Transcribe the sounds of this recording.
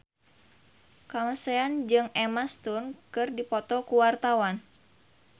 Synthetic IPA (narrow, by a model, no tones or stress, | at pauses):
kamaseand͡ʒɨŋɛmast̪unkɨrdipɔt̪ɔkuwart̪awan